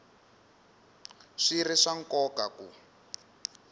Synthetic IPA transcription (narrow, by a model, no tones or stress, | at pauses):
ʂiriʂaŋ̩kɔkakṵ